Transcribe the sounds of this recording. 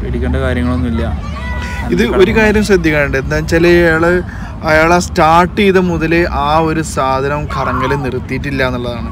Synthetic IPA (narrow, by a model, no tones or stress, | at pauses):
eɽikʲːeːɳɖɐkaːɾjɐŋːɐɭo̞nːilːɐ | iðɨo̞ɾukaːɾjɐmɕrɐd̪ʱjɐkʲːaːɳɨɳɖɨend̪aːmt͡ɕelɐjjaːɭɨ | ɐjaːɭastaːʈːiiðɐmuðɐleʔaːo̞ɾusaːd̪ʱɐnɐmkʰɐrɐŋːɐlenirɨt̪ːijːʈːilːɐenːuɭːɐðaːɳɨ